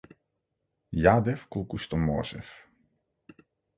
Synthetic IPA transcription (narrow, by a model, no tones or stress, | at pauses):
jaːd̪ɛfkulkust̪ɔmɔːsɛ̰f